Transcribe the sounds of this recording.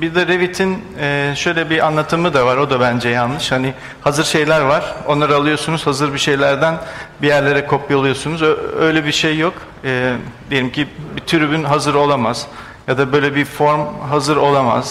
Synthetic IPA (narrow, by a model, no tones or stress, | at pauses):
biɾd̪ɛɾevit̪ʰin | ɛʃø̞jlʲɛbiʔanlˠat̪ʰɯmɯd̪avaɾo̞d̪abænd͡ʒɛjanlːˠɯʃhani | hazɯɾʃe̞jlʲæɾvaɾ̥o̞nlˠaɾɯalˠɯjo̞sunuz̥hazɯɾbiʃe̞jlʲæɾd̪ænbijæɾlʲe̞ɾɛkʰo̞pʰːalˠɯjo̞sunuzøjlʲɛbiʃejːok | ɛːd̪ejelʲimcʰibit̪ʰyɾybynɦazɯɾo̞lˠamaz̥ | jad̪abø̞jlʲɛbifo̞ɾmɦazɯɾo̞lˠama̰z̥